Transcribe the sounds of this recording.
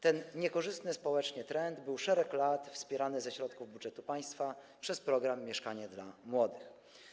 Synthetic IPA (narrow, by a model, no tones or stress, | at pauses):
t̪ɛnɲɛkɔʐɘst̪nɘspɔwɛt͡ʂɲɛt̪ɾɛnd̪bɘwʂɛɾɛklat̪fspʲjɛɾanɘzɛɕɾɔt̪kuvbudʐɛt̪upaj̃st̪fa | pʂɛspɾɔɡɾamːjɛʂkaɲɛd̪lamwɔd̪ɘx